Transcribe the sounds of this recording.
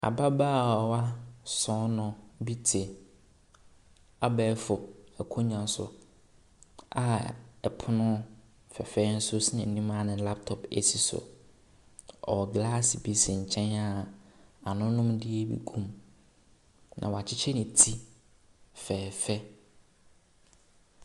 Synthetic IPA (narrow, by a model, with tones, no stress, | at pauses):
a̰˨ba˦baː˦˨ɔ˨wa˦sɔ̃˨˦nʊ̃˨bi˦tʰɪ˨ | a˨˦bɛː˨˦fʊ˨ɛ˨kʰʊ˦ɲã˨n˦sʊ̰˦ | a˨ɛ˨pʰʊ˦nʊ̃˦ | fɛ˨fɛː˦n̩˦sʊ˦si˦ɛ̰̃˨nĩ˦ma˦˨nɪ̃˨˦la˦p̚tʰɔ˨pḛ˨si˨sʊ̰˨ | ɔ˨ɡla˦sbi˦si˨ɲ̩˨t͡ɕʰɛ̃˦na˦ | a˨nʊ̃˦nʊ̃˦mdɪ˦e˦bḭ˦kʰũ˦m | nʔã̰˨wa˨t͡ɕʰɪ˦t͡ɕʰɛ˦nɪ̃˨tʰi˦ | fɛː˨fɛ˦